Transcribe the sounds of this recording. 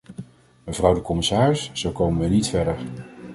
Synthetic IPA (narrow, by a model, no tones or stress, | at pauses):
məvrʌwdəkɔmɪsaːrɪsːowkowmənʋənitfɛɹdəɹ